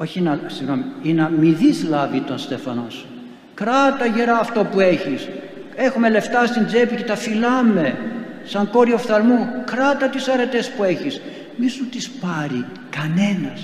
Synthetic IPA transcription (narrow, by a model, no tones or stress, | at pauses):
o̞çinɐsiɣnomiinɐmiðizlɐvit̪o̞nst̪e̞fɐno̞s | kɾɐt̪ɐʝe̞ɾɐːft̪o̞pue̞çis | e̞xume̞le̞ft̪ɐst̪ind͡ze̞picet̪ɐfilɐme̞sɐŋko̞ɾiofθɐlmukɾɐt̪ɐt̪isɐɾe̞t̪e̞spue̞çis | misut̪ispɐɾi | kɐne̞nɐs